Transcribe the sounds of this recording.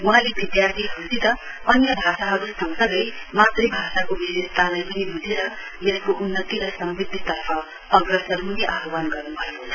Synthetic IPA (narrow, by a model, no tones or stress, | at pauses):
wuɦalebid̪jart̪ʰiɦusit̪ʌ | ʌnjʌbʱasaɦʌɾusʌŋsʌɡʌjmat̪rʌjbʱasakobiɾest̪ʰalajpʌnibud͡zʱeɾʌ | jeskoʔunːʌt̪iɾʌsʌmbid̪ʱːit̪ʌrpʰʌ | ʌɡrʌsʌɾɦuneʔaɦʌwanɡʌrnubʱʌekot͡sʰʌ̥